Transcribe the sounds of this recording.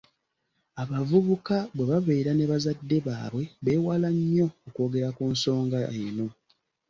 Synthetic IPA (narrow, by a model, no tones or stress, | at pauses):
aβavuβukaβwe̞βaβeːɾaneβazadːe̞βa̰ːβwe̞βe̞ːwalaɲːo̞ːko̞ːɡe̞ɾakuːnso̞ːŋɡaeno̞